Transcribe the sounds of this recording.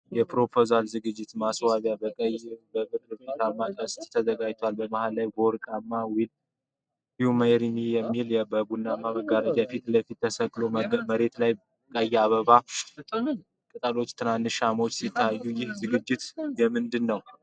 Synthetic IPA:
jɛpʰɾo̞pʰo̞zalzɨɡɨd͡ʒːɪt̪maswaβjabəkʼəjbəβɨt̪ʼɾfit̪amːakʼəst̪ʼt̪ʰəzəɡajt̪ʰwalbəmahalːajbəɾkʼamːawil | jɪhuməjɾinijɛmːilɛbəbunːamaβəɡaɾəd͡ʒafit̪ləfit̪ːəsəkʼlomməɾe̞t̪laj | kʼəjːɛaβəβa | kʼɨt̪ʼalo̞t͡ʃːt̪ʰɨnanːɨʃamo̞t͡ʃːsit̪ʰːajːujɪhzɨɡɨd͡ʒːɪt̪jɛmɨnd̪ɨnːəw

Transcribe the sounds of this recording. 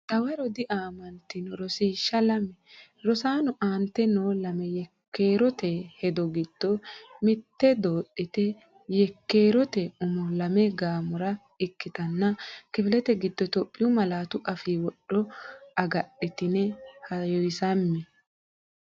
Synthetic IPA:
t̪ɐwɐɾɔd̪ɪʔaːmɐnt̪ɪnɔɾɔsiːʃːɐlɐmɛ | ɾɔsaːnʊʔaːnt̪ːɛnoːlɐmɛjɛkːeːɾɔt̪ɛhɛd̪ɔɡɪd̪̥ːɔmɪt̪ːɛd̪oːɗːɪt̪ɛ | jɛkːe̞ːɾɔt̪ɛʊmɔlɐmɛɡaːmʊɾɐ | ɪkːɪt̪ɐnːɐkɪfɪlɛt̪ɛɡɪd̪ːɔt̪ɔpʼːɪjʊmɐlaːt̪ʊʔɐfiːwɔɗːɔʔɐɡɐɗːɪt̪ɪnɛhɐjɔjsɐmːɛ

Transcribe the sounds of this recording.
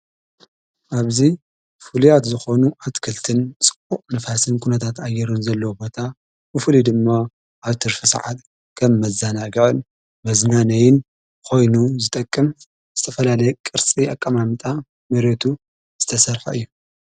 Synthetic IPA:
ʔaβzi | fulujat̪zɨxo̞nuʔat̪kʰɐlt̪ʰɨnt͡sʼɨ̥kʼːuʔʼnɐfasɨnkʰunɐt̪ʰat̪ajːɛɾɨnzɐlːɐwubo̞t̪ʰa | bɨfulid̪ɨmːa | ʔaβt̪ʰɨɾfɨsa̰ʕat̪ | kʰɐmːɐzanaɡɨʕon | mɐznanɐjɪn | kʰo̞jnuzɨt̪ʼɐkʼːɨm | z̥ɨt̪ʰɐfɐlalɐjɛkʼɨɾt͡sʼiʔakʼːɐmamɨt̪ʼa | mɐɾet̪ʰu | z̥ɨt̪ʰɐsɐɾħa̰ʔɨjːu

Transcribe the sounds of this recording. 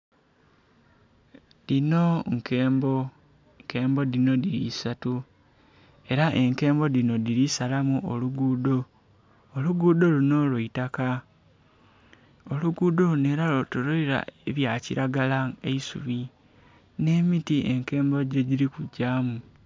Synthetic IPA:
dino̞ŋkeːmbo | ŋke̞ːmbo̞dino̞diɾḭsatu | e̞ɾaʔe̞ŋke̞ːmbo̞dino̞diɾisalamuʔo̰luɡuːdo̞ː | luɡuːdo̞luno̞lweitaka | oluɡuːdo̞ne̞ɾaotuloiɾa̰eβjaːciɾaɡalaeisṵβi | ne̞mitiʔe̞̰ŋke̞ːmboɟoɟiɾikuɟaːmu

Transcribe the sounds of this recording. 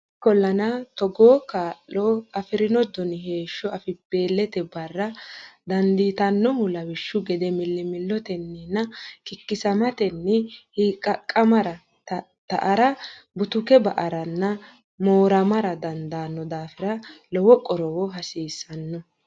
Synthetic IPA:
kːɔlːɐnɐt̪ɔɡoːkaːʔːoːɐfɪɾɪnɔd̪ɔnɪɦe̞ːʃːɔɐfɪbe̞ːlːɛt̪ɛbɐrːɐd̪ɐnd̪iːt̪ɐnːɔhʊlɐwɪʃːʊɡɛd̪ɛmɪlːɪmɪlːɔt̪ɛnːɪnːɐkɪkːɪsɐmɐt̪ɛnːɪhiːkʼɐkʼːɐmɐɾɐ | t̪ɐ̰ʔɐɾɐbʊt̪ʊkɛbɐʔɐɾɐnːɐ | moːɾɐmɐɾɐd̪ɐnd̪aːnːɔd̪aːfɪɾɐlɔwɔkʼɔɾɔwɔɦɐsiːsːɐnːɔ

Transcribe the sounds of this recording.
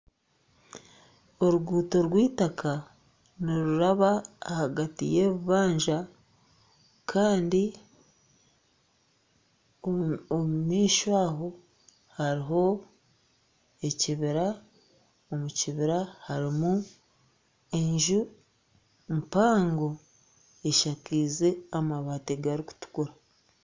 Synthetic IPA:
o̞ɾuɡuːto̞ɾwiːtakʰa | niɾuɾaβaːhaɡatḭje̞ːβuβaːɲʒa | kʰaːndi | omumiːʃwaːɦo̞ | haɾiɦo̞ | e̞ciβiɾa | omuciβiɾahaɾimu | e̞ɲʒu | mpaːŋɡo̞ | eʃakiːze̞amaβaːteɡaɾiku̥tu̥kuɾa

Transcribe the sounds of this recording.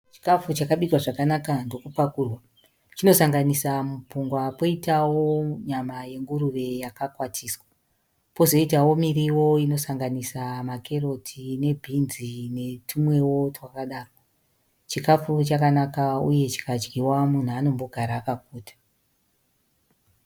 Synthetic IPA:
t͡ʃi̥kafut͡ʃakaɓikwaʐakanakando̞kupakuːrwa | t͡ʃino̞saŋɡanisamupuŋɡwapo̞itawo̞ɲamaje̞ŋɡuɾure̞jakakwatʰiːswa | po̞zo̞itawo̞miriwo̞ino̞saŋɡanisamakʰe̞ro̞tʰine̞bʱinzine̞tʰumwe̞wo̞twakaɗaːro | t͡ʃikafut͡ʃakanakaṵje̞t͡ʃi̥kad͡ʒɡiwamun̤uano̞mbo̞ɡʱaɾaːkakuːtḁ

